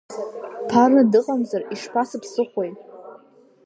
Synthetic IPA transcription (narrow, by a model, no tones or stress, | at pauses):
pʰarɨdɨqʼamzariʂpʰasɨpʰsɨχʷo̞jtʼ